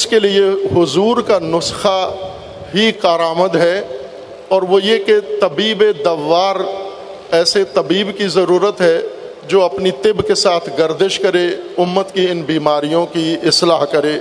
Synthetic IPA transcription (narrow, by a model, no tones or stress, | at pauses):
ɪskeliehʊzuːɾkanʊsxa | ɦikaːɾaːməd̪ɦɛ | ɔːɾʋojeket̪ɐbiːbed̪ɐʋːaːɾ | ɛːset̪ɐbiːbkizɐɾuːɾət̪ɦɛ | d͡ʒoːɐpnit̪ɪbkesaːt̪ʰɡɐɾd̪ɪʃkɐɾeʊmːət̪kiɪnbiːmaːɾijõkiɪslaːɦkɐɾeː